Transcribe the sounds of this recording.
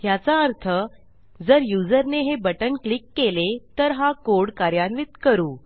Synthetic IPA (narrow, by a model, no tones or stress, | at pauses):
ɦjat͡saəɾt̪ʰə | d͡zəɾjud͡zəɾneɦebəʈənklikːelet̪əɾɦakoɽkaɾjanʋit̪kəɾuː